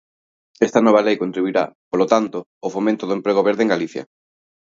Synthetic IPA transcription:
ɛst̪ɐnɔβ̞ɐlejkont̪ɾiβuiɾa̰polot̪ant̪o | ofomẽnt̪oðoempɾeɣ̞oβeɾðeŋɡaliθjɐ̰

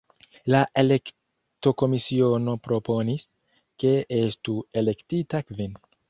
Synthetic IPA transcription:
laʔe̞le̞k | to̞ko̞misio̞no̞pɾo̞po̞nis | ke̞e̞stue̞le̞ktitakvin

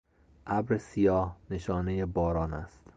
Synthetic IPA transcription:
ʔæbɾesijɒːhne̞ʃɒːne̞jebɒːɾɒːnæ̰st̪

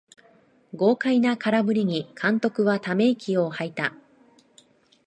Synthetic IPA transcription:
ɡo̞ːkainakaɾabɯ̟ɾʲiɲ̟ikʰãnt̪o̞kɯ̟βat̪ame̞ikʲio̞hait̪a

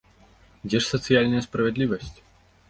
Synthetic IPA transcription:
d͡zʲɛʂsɐt̪sɨjalʲnɐjɐspɾɐvʲɛd̪lʲivɐsʲt͡sʲ

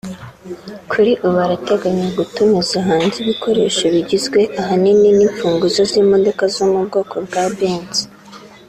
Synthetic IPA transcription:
kʰuɾiʔuβaɾate̞ɡaɲaɡutumezaɦaːnziβikʰo̞ɾe̞̰ːʃaβiɟizɡwe̞ʔaɦanininiɱfuːŋɡuzozimo̞do̞kazomub̚ɡo̞ːko̞bɡabeːnzi̥

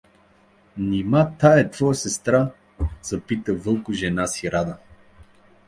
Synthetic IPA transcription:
nimat̪aɛt̪vɔjsɛst̪ɾa | zɐpit̪əvɤlˠkʊʒɛnasiɾad̪ə

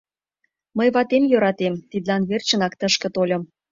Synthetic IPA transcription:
məjβɑt̪emjøɾɑt̪emt̪id̪lɑnβert͡ɕə̆nɑkt̪əʃkə̆t̪olʲɤ̆m

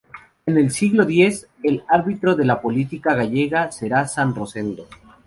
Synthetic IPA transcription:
e̞ne̞lsiɣlo̞ðje̞s | elaɾβit̪ɾo̞ðe̞lapo̞lit̪ikaɣaʝe̞ɣase̞ɾasanro̞se̞nd̪o̞

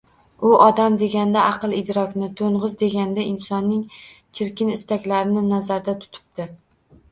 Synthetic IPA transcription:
ʊʔɒd̪amd̪e̞ɡʲand̪aʔɑqɨlˠɪd̪ɾɒkʲnɪt̪ʰoɴʁɨzd̪e̞ɡʲand̪aʔɪnsɒnːɪŋ | t͡ʃʰɪɾkʲɪnɪst̪akʲlaɾɪnɪnazaɾd̪at̪ʰʊ̥t̪ʰɪ̥p̚d̪ɪ

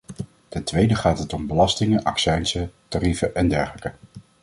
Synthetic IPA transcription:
tɛntʋejdəχaːtɦətɔmbəlɑstɪŋəʔɑ̰ksɛjnsətarifəʔɛndɛɹχələkə

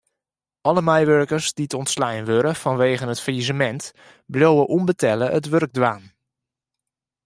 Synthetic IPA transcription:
ʔɔləmɛjʋørkərsdiətɔntslɛjnʋøɾəfɔnʋeːɣənətfəizəmɛnt | bljowəʔumbətʰɛləətʋørɡ̚dwaːn

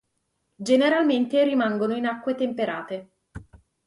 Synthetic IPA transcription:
d͡ʒeneɾalment̪eɾimaŋɡonoinakːwet̪empeɾʔaːt̪e

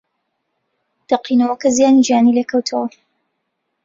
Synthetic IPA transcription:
d̪̥ɐqinɐwɐkɐzijaːnid͡ʒijaːnileːkʰɐwt̪ʰɐwɐ

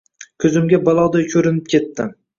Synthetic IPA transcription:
kʲʰɵzɪmɡʲabɒlˠɒwd̪ajkʲʰɵɾɪnɪp̚kʲʰet̪ːɪ

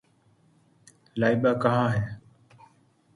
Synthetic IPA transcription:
laːiɓaːkəɦãːɦɛː

